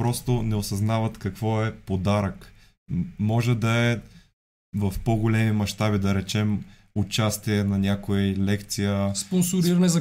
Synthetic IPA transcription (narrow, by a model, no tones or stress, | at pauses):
pɾɔst̪ʊnɛosɐznavɐt̪kɐkvɔɛpod̪aɾək | mɔʒɛd̪ɐɛ | vɐfpoɡolɛmimɐʃt̪abid̪ɐɾɛt͡ʃɛm | ʊt͡ʃast̪iɛnɐnʲakʊjilɛkt̪sijəsponsʊɾiɾɐnɛzɐ